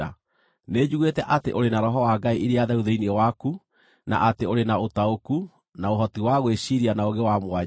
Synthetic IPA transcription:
a | neːd͡ʑuɣwetɛʔateʔoɾenaɾɔɦɔwaːɡaiʔiɾeaðɛɾuðeiniɛwaku | na̰ʔateoɾenaotaoku | naoɦɔtiwaɣweɕiɾianaoɣewamwa

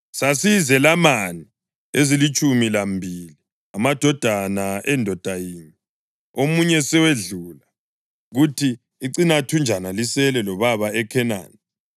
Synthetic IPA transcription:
sasizɛlamani | ezilit͡ʃʼumilambʱili | amad̥ʱɔd̥ʱanaʔɛndʱɔd̥ʱajiːni | omuɲɛsɛweɮuːla | ɣutʰiː | ǀinatʰund͡ʒʱanalisɛlɛlɔβaβaɛkʰɛna̰ːni

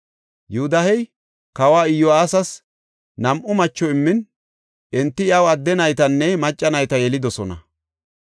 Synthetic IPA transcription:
juhʊd̪ɐhɛj | kɐwaːɪjːɔaːsɐs | nɐmʔʊmɐt͡ʃːɔɪmːɪn | ʔɛnt̪ːɪjɐwɐd̪ːɛnɐjt̪ɐnːɛmɐt͡ʃʼːɐnɐjt̪ɐjɛlɪd̪ɔsɔnɐ̰

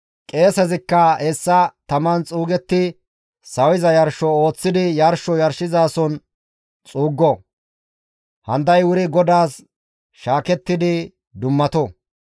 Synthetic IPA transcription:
kʼe̞ːsɛzɪkːɐɛsːɐt̪ɐmɐnt͡sʼuːɡɛt̪ːɪ | sɐwɪzɐjɐɾʃɔo̞ːt͡sːɪd̪ɪjɐɾʃɔjɐɾʃɪzaːsɔn | t͡sʼuːɡːɔ | hɐnd̪ɐjwʊɾɪɡɔd̪aːs | ʃaːkɛt̪ːɪd̪ɪ | d̪ʊmːɐt̪ɔ

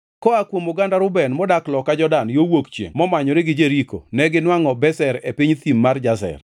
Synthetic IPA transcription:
kɔakwomʊɡandaɾʊbɛnmɔdaklɔkad͡ʒɔdanjowokt͡ʃjḛŋmɔmaɲɔɾɪɡɪd͡ʒeɾiko̰nɛɡɪnwaŋɔbɛsɛɾepiɲt̪imːard͡ʒas̬ɛ̰r

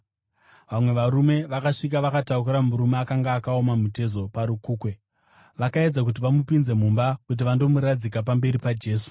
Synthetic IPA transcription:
ʋamwe̞ʋaɾume̞ʋakaʂik̬aʋakataukuɾamuɾumeakaŋɡaːkaomamute̞zo̞paɾukuːkwe̞ | ʋakae̞d͡zak̬ut̬iʋamupinze̞mumbakut̬iʋando̞muɾad͡zikap̬ambe̞ɾipad͡ʒe̞ːsu̥

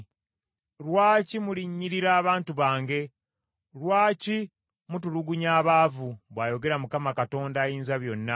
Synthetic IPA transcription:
lwaːcimuliɲːiɾiɾaːβaːntuβaːŋɡe̞ | lwaːci | mutuluɡuɲaːβaːvuβwaːjo̞ɡe̞ɾamukamakato̞ːndaːjiːnzaβjo̞nːa

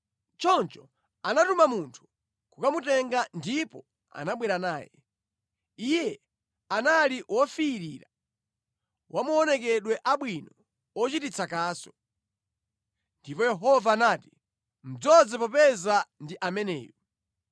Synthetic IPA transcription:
t͡ʃɔnt͡ʃɔ | anatumamuntʰu̥ | kukamutɛŋɡandipɔ | a̰naɓwɛɾanaːjɛ | ijɛ | analiwɔfiːɾiːɾa | wʔamuɔnɛkɛɗwɛʔaɓwinɔ | ɔt͡ʃitit͡sʰakaːsɔ̥ | ndipɔjɛɦɔvaːnaːti | m̩d͡zɔd͡zɛpɔpɛzandiʔamɛnɛ̰ːjɔ

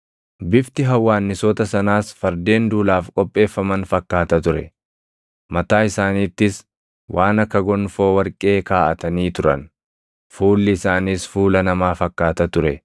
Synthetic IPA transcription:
bɪft̪ɪɦɐwːaːnːɪsɔt̪ɐsɐnaːsfɐɾd̪e̞ːnd̪uːlaːfkʼɔpʼːe̞ːfːɐmɐnfɐkːaːt̪ɐt̪ʊɾɛ̰ | mɐt̪aːɪsaːniːt̪ːɪs | wʔaːnɐkːɐɡɔnfo̞ːwɐɾkʼe̞ːkaːʔɐt̪ɐniːt̪ʊɾɐ̰n | fuːlːɪɪsaːniːsfuːlɐnɐmaːfɐkːaːt̪ɐt̪ʊɾɛ

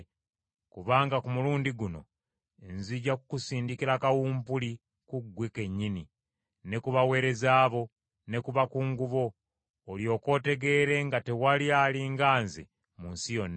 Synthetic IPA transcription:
kuβaːŋɡakumuluːndiɡuno̞ | e̞nziɟakukusiːndikiɾakawuːmpuli | kuɡweke̞ɲːini | ne̞kuβawe̞ːɾe̞zaːβo̞ | ne̞kuβakuŋɡuβo̞ː | ljo̞ːko̞ːte̞ɡe̞ːɾe̞ŋɡate̞walialiŋɡaːnzḛ | munsijo̞nː

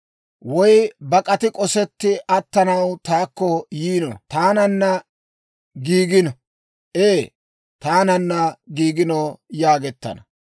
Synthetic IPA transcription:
wɔjbɐkʼɐt̪ɪkʼɔsɛt̪ːɪʔɐt̪ːɐnɐwt̪aːkːɔjiːnɔ̰t̪aːnɐnːɐ | ɡiːɡɪnɔ | ʔeː | t̪aːnɐnːɐɡiːɡɪnɔjaːɡɛt̪ːɐ̰nɐ

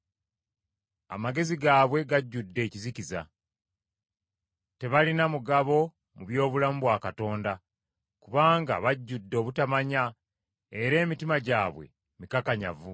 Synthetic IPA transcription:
a̰maɡe̞ziɡaːβwe̞ɡaɟːudːe̞ːciziciza̰ | te̞βalinamuɡaβo̞ | muβjo̞ːβulamuβwaːkato̞ːnda | kuβaːŋɡa̰βaɟːudːo̞ːβutamaɲa | e̞ɾe̞ːmitimaɟaːβwe̞̰ | mikakaɲa̰vu

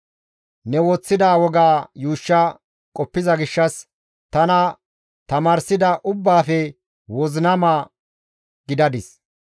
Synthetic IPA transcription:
nɛwɔːt͡sːɪd̪aːwɔɡaːjuːʃːɐ | kʼɔpːɪzɐɡɪʃːɐs | t̪ɐnɐ | t̪ɐmaːɾsɪd̪ɐʔʊbːaːfɛ | wɔznɐma | ɡ̥ɪd̪ɐd̪ɪs

